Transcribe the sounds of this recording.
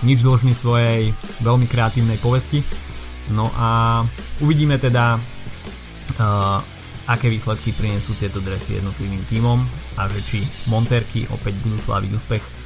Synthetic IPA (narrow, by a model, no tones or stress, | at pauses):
ɲid͡ʒd̪l̩ʒnisʋɔjɛjʋɛlmikɾɛat̪iːʊnɛjpɔʋɛsci | nɔʔa | uʋiɟiːmɛt̪ɛd̪a | akɛːʋiːslɛt̪kipɾiɲɛsuːt̪ɪɛt̪ɔd̪ɾɛsijɛ̰d̪nɔt̪liʋiːmt̪iːmɔmaʒɛt͡ʃimɔnt̪ɛːɾkḭʔɔ̰pɛɟbud̪uːsla̰ːʋḭɟṵːspɛx